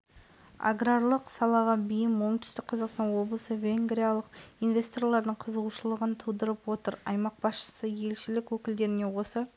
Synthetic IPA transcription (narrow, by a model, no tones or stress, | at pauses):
a̰ɡraɾlˠəqsɑlˠɑʁɑbijɪmwoɴt̪ʰʏ̥st̪ɪk̚qʰɑzɑqst̪ɑnwo̞blˠəsəvʲe̞ŋɡɾʲijalˠəqijnvʲe̞st̪o̞rlˠɑɾd̪əɴqʰəzəʁuʃəlˠəʁənt̪ʰud̪əɾəpwo̞t̪əɾɑ̰jmɑq̚bɑsʃə̥səje̞lʃɪlɪkwɵkʲɪld̪e̞ɾɪne̞wo̞sə